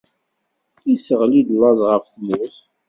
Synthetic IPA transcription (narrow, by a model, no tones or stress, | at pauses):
isəʁlid̪lːɑzˤʁəfθmuθ